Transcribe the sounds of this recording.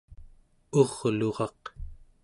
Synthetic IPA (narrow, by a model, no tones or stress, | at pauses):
oʁloʁɑq